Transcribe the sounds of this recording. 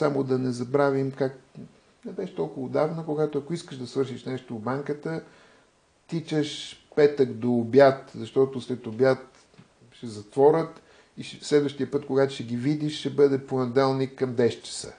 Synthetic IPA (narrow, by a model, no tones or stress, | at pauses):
samod̪ɐnɛzɐbɾavimkak | nɛbɛʃt̪ɔlˠkʊvɐod̪avnəkoɡat̪oɐkoiskəʃd̪ɐsvɤɾʃiʃnɛʃt̪obaŋkət̪ə | t̪it͡ʃəʃpɛt̪əkd̪oːbjat̪zɐʃt̪ɔt̪oslɛt̪objat̪ | ʃɛzɐt̪vɔɾʲət̪ | iʃslɛd̪vəʃt̪ijəpɤt̪koɡat̪ʊʃɛɡʲivid̪iʃːɛbɤd̪ɛponɛd̪ɛlˠnikːɐmd̪ɛʃt͡ʃə̥sə̰